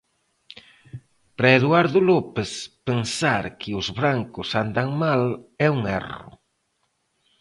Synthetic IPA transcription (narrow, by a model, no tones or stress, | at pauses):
pɾaeðwaɾðʊlopespensaɾkʰɪʊzβɾaŋkʊsand̪aŋmalɛuŋɛ̰rʊ̰